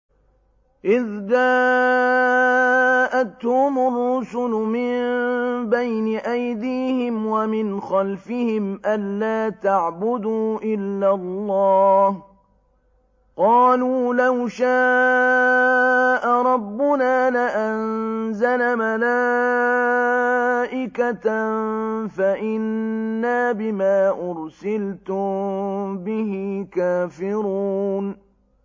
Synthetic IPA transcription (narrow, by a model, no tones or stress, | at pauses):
ʔɪðd̪aː | ʔat̪hʊmʊrːʊsʊlʊmɪnbajnɪʔajd̪iːhɪmwamɪnxɑlfɪhɪmʔanːaːt̪aʕbʊd̪uːʔɪlːalˤːɑːh | qɑːluːlawʃaː | ʔaɾˤɑbːʊnaːlaʔanzalamalaː | ʔɪkat̪ | faʔɪnːaːbɪmaːʔʊɾsɪlt̪ʊmbɪhɪkaːfɪɾuuːn